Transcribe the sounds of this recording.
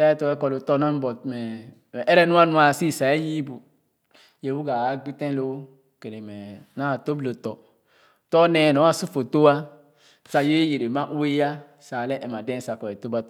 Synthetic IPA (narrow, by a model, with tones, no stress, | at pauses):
sa˦jɛ˦tɔ˨˦ɛ˦kɔ˨lo˨tɔ˦na˦m˦bɔ˨mɛ˨ | ʔɛ˦ɾɛ˦nũ˦a˦nũ˦a˨si˦˨sa˨ja˦ji˦bu˨ | je˨wu˦ɡa˨a˦ɡ͡bi˦tɛ̃˦lo˦ | ke˨ne˨mɛ˨na˦˨to˦blo˨tɔ˨ | tɔ˦nɛ˦˨nɔ˨˦a˦su˦fo˨to˦a˦ | sa˨je˦je˨ɾe˨ma˦ʔu˦e˦ja˦ | sa˨lɛ˦ʔɛ˨ma˨dɛ̃˦sa˨kɔ˨ɛ˨to˦ba˦t